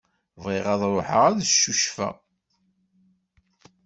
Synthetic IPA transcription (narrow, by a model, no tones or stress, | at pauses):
vʁiʁɑðˤɾˤoħəʁæðʃuʃfæ̰